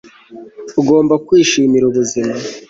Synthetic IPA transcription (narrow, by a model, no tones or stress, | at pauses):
uɡo̞ːmbakwiːʃiːmiɾuβuzima